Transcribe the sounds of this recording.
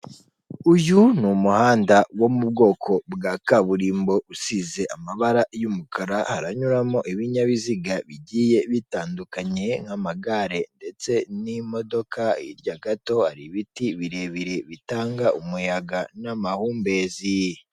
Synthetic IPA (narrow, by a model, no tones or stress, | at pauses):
ujunumuhaːndawo̞mub̚ɡo̞ːkʰo̞bɡaːkaβuɾiːmbo̞usize̞ʔamaβaɾajumukʰaɾahaɾaɲuɾamo̞ʔiβiɲaβiziɡaβiɟiːje̞βitaːndukaɲe̞ŋhamaɡaɾe̞nde̞t͡se̞nimo̞do̞kʰaḭɾɟaɡato̞haɾiβitiβiɾe̞βiɾe̞βitaːŋɡaʔumujaɡanamahuːmbe̞zi